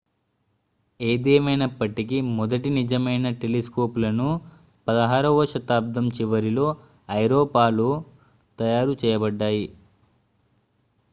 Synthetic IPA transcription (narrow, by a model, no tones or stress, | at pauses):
eːd̪ɛːmɐjnɐpːɐʈikimɔd̪ɐʈinid͡ʒɐmɐjnɐʈeliskoːpulɐnu | pɐd̪ɐɦaːɾɐʋɐʃɐt̪aːb̚d̪ɐmt͡ʃiʋɐɾilo̞ː | ɐjɾoːpaːlu | t̪ɐjaːɾut͡ʃɛːjɐbɐɖːaːji